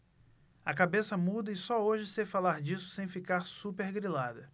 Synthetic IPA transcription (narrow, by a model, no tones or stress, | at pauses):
ɐkabesɐmud̪ɐɪsɔoʒɪsefalaɾd͡ʒisʊ̥sẽj̃fikaɾsupeɾɡɾilad̪ɐ